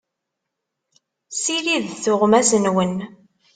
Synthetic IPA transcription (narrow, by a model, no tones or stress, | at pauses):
siliðθʊʁmæsənwən